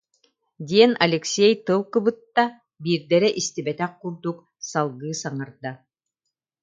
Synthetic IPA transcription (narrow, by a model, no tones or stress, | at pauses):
d̪ʲiɛnɐlʲɛksʲɛjt̪ɯlˠkɯbɯt̪ːa | biːɾd̪ɛɾɛʔist̪ibɛt̪ɛq̚quɾd̪uk | salˠɡɯːsaŋaɾd̪a